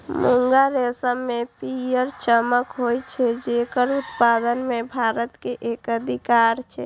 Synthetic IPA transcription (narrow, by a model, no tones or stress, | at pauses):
muŋɡaɾesəmːepijəɾt͡ʃəməkɦojt͡ʃʰɛd͡ʒekəɾut̪pad̪ənmebʱaɾət̪keʔekəd̪ʱikaɾt͡ʃʰɛ̰